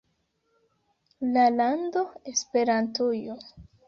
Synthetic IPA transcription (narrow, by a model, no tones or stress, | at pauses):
lalando̞e̞spe̞ɾantujo